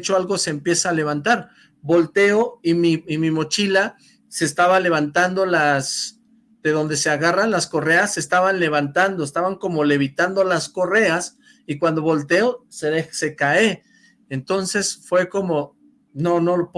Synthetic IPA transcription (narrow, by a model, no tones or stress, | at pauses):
t͡ʃoalɣo̞se̞ːmpje̞saːle̞βant̪aɾ | bo̞lt̪e̞o̞imiimimo̞t͡ʃila | se̞ːst̪aβale̞βant̪and̪o̞las | d̪̥e̞ðo̞nd̪e̞se̞aɣaranlasko̞re̞asːest̪aβanle̞βant̪and̪o̞est̪aβaŋko̞mo̞le̞βit̪and̪o̞lasko̞re̞as | ikwand̪o̞βo̞lt̪e̞o̞seðexse̞kae | ent̪o̞nse̞sfwe̞ko̞mo̞ | no̞no̞lop